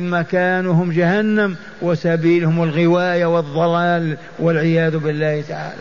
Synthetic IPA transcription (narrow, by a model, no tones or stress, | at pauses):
lmakaːnuɦʊmd͡ʒahanːam | wɪsabiːlhʊmɪlɣɪwaːjawɨðˤːɑlaːl | wɪlʕɪjaːðʊbɪlːaːht̪aʕa̰ːla̰